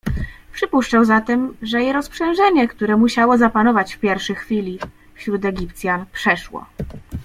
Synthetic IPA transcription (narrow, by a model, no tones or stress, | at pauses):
pʂɘpuʂt͡ʂawzat̪ɛmʐɛjɛɾɔspʂɛ̃ñʐɛɲɛkt̪uɾɛmuɕawɔzapanɔvat͡ɕfpʲjɛɾfʂɘxfʲilʲi | fɕɾut̪ɛɡʲipt̪sʲjanpʂɛʂwɔ̰